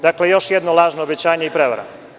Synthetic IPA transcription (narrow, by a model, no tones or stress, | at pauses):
d̪akle̞jo̞ʃjed̪no̞lˠaːʒnoobet͡ɕaːɲeipɾeʋa̰ɾa̰